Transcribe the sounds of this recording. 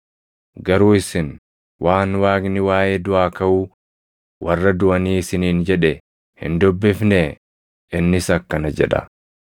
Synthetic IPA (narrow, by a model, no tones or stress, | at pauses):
ɡɐɾuːɪsɪn | wʔaːnwaːɡnɪwaːjeːd̪ʊʔaːkɐʔʊ | wɐrːɐd̪ʊʔɐniːɪsɪniːnd͡ʒɛᶑɛ | hɪ̰nd̪ʊbːɪfnɛ | ɪnːɪsɐkːɐnɐd͡ʒɛ̰ᶑɐ̰